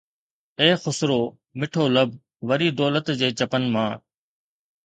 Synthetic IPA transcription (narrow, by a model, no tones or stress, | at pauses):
eːxʊsɾoː | mɪʈʰoːləb̚ | ʋəɾiːd̪ɔːlət̪d͡ʑeːt͡ɕəpənmãː